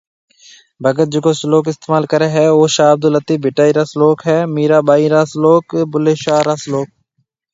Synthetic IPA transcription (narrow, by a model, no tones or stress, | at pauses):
bʱəɡət̪̚d͡ʒekoːsloːkɪst̪eːmaːlkəɾeːɦɛːoːʃaːb̚d̪olət̪iːbʱɪʈaːiːɾaːsloːkɦɛːmiːɾaːɓaːiːɾaːsloːkbʊleːʃaːɾaːsloːk̚